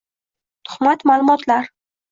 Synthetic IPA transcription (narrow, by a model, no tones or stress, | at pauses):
t̪ʰʊ̥χmat̪malˠʊmɒt̪ʰlaɾ